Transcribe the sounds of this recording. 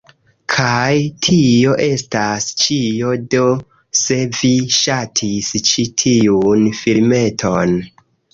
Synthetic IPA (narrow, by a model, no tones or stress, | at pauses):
kʰajtʰio̞ʔe̞stast͡ʃio̞do̞ | se̞viʃatʰist͡ʃitʰiunfilme̞tʰo̞n